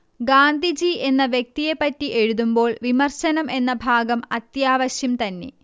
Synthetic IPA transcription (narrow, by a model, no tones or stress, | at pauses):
ɡaːnd̪ʱid͡ʑie̞nːɐʋjek̚t̪ijepːɐtːiʔe̞ɻuðumbo̞ːɭʋimɐrɕɐnɐmʔe̞nːɐbʱaːɡɐmɐt̪jaːʋɐɕjɐmt̪ɐnːe̞̰